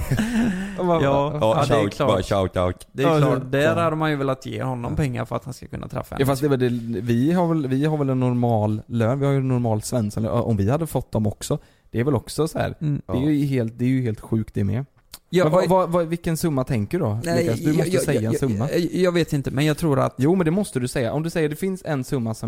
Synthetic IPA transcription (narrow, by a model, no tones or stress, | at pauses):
aɑːɛkʰːaa | d̪ɛd̪æɾhad̪əmanjɵvɛlat̪ːjḛːhɔnːɔmpɛŋːa̰ɾfœɾat̪hanskakʰɵ̰nːa̰t̪ʰɾɛ̰fːaɛ̰jɑːfastd̪ɛvɛld̪ɛvɪɦaɾvɛlvɪɦaɾvɛlɛnːɔɾmɑːlːøːnvɪhajɵnːʊɾmɑːlsvɛnskanø̰ʔɔmvɪhad̪ːəfɔt̪̚ːd̪ɔmɔksɔ | d̪̥ɛːɾvɛlɔksɔsɔhæ̰ːɾdɛjɦeːlt̪̚d̪ɛɾjɵɦeːlt̪ɧʉ̟ːk̚t̪̚d̪ɛɾmɛ̰ | jmɛnvvavavɪkːənsɵmːat̪ʰɛŋkəɖd̪ɔkːad̪ɵmɔsɛjːaɛnsɵmːajɑɡveːt̪ɪnt̪əmɛnjɑːɡt̪ʰɾuːɾa̰t̪juːmɛnd̪ɛmɔst̪əd̪ɵsɛjːaʔɔmd̪ɵsɛjːəɖɛfɪnsɛnsɵmːasɔm